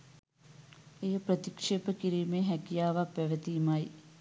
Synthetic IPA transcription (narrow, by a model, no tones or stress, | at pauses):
ejəprɐt̪ikʂeːpəkiɾiːmeːɦækijaːʋapːæʋət̪iːmaj